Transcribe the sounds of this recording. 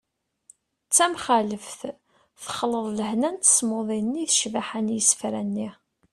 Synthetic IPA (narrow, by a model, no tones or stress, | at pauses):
t͡sːæmχæləfθ | θə̥χləðˤləhnænt̪ə̥smoðˤinːiθʃvaħanjəsfɾænːi